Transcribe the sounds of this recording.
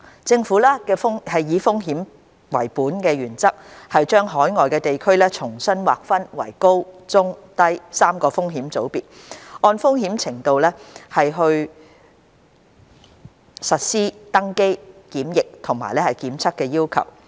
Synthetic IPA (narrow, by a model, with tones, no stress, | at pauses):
t͡sɪ˧ŋfuː˨˥laː˥kɛː˧fʊ˥ŋhɐ˨jːiː˨˧fʊ˥ŋɦiː˨˥m | wɐ̰˨˩jpuː˨˥nkɛː˧jyː˨˩nt͡sɐ˥k̚hɐ˨jt͡ʃœː˥ŋɦɔː˨˥jŋɔː˨jkɛː˧t̪e˨jkʰɵ˥ɥlɛː˥t͡sʰʊ˨˩ŋsɐ˥nwaː˨k̚fɐ˥nwɐ̰˨˩jko˥wt͡sʊ˥ŋt̪ɐ˥jsaː˥mkɔː˧fʊ˥ŋɦiː˨˥mt͡so˨˥wpiː˨t̚ | ɔː˧nfʊ˥ŋhiː˨˥mt͡sʰɪ˨˩ŋt̪o˨wlɛː˥hɐ˨jɦɵ˧ɥ | sɐ˨t̚siː˥t̪ɐ˥ŋke˥jkiː˨˥mjɪ˨k̚t̪ʰʊ˨˩ŋma̰ː˨˩jlɛː˥hɐ˨jkiː˨˥mt͡sʰɐ˥kːɛː˧jiː˥wkʰɐ̰˨˩w